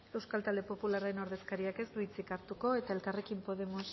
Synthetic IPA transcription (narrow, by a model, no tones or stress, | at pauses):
e̞wskalt̪ald̪epo̞pulaɾaeno̞ɾðe̞skaɾiake̞st̪uit͡sikaɾt̪uko̞e̞t̪ae̞lkare̞kimpo̞ð̞e̞mos